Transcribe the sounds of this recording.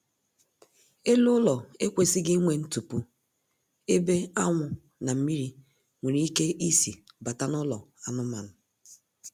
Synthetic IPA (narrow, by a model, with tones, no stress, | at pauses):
e˦lʊ˦lɔ˨e˦kʷe˨sɪ˦ɡɪ˦i˦ŋʷe˨n̩˦tu˨pu˨ | e˦be˦a˦ŋʷʊ˨ | na˨m̩˦mi˦ɾi˦ | ŋʷe˨ɾi˦i˦ke˦ʔi˦si˨ba˨ta˦nʊ˦lɔ̰˨a˨nʊ˦ma˨nʊ˨